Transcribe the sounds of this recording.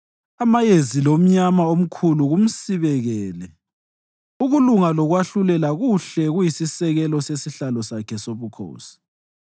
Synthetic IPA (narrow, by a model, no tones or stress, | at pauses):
amajezilom̩ɲamaom̩kʰuluɣum̩siβɛɣɛːlɛ | uɣuluŋalɔɣwaɬulɛlaɣuɬɛɣujisisɛɣɛlɔsesiɬalɔsakʰɛsoβukʰo̰ːsi̥